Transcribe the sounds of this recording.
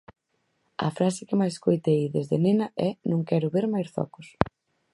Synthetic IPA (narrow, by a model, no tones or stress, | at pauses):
ɐ̰fɾasɪkɪmajeskojt̪ejðezðenenɐɛnõŋkɛɾʊβeɾmajsfɔ̰kʊs